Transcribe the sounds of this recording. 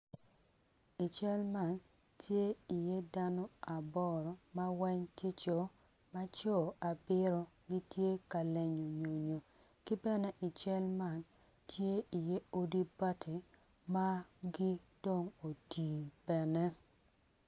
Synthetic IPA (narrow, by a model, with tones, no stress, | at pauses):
i˨t͡ʃɛ˦lma˦˨n | tje˦i˨je˦da˦nɔ˦a˨bɔ˦ɾɔ˨ma˦wɛ˦ɲtje˦t͡ʃo˨ | ma˦t͡ʃɔ˦˨ʔa˨bɪ˦ɾo˦ɡi˦tje˦ka˨le˨ɲo˨ɲo˨ɲo˨ | kɪ˦bɛ˦nɛ˦ʔi˨t͡ʃɛ˦lma˨n | tje˦i˨je˦o˦di˦ba˦tʰi˨ | ma˦ɡi˦do˦ŋo˨tiː˨b̥ɛ˨nɛ˦